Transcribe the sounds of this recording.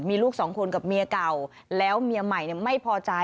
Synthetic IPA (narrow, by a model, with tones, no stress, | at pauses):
miː˧luː˥˩k̚sɔː˩˦ŋkʰo˧nka˨˩p̚mi˧ɐka˨˩w | lɛː˦˥wmi˧əma˨˩jni˧˩əma˥˩jpʰɔː˧t͡ɕa˧